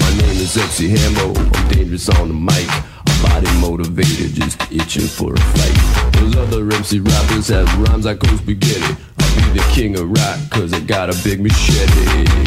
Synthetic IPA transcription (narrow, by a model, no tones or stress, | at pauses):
maɪnẽɪ̃mɨzɛbsiɦæ̃mboʊã̰ɪ̃mdẽɪ̃nd͡ʒə˞ɨsn̩ðəmaɪk | əbɑɾimoʊɾɨveɪɾɨ̰d̚d͡ʒʌ̰stɪt͡ʃɪ̰̃ŋfə̰˞ə̰faɪt̚ðoʊzʌðə˞ɹɛmsiɹæbəz̥ɨzɹãmzakoʊzbɨɡɛɾɪ̰t | aɪbiðɨkʰɪ̃ŋʌɹætkʰʌzɨt̚ɡ̥ɑɾɨbɪɡ̚mɨʃɛɾḛ